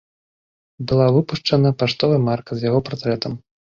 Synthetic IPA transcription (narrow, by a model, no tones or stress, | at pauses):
bɨlˠavɨpuʂt͡ʂɐnɐpaʂt̪ɔvɐmarkɐzʲjaɣɔpart̪ɾɛt̪ɐm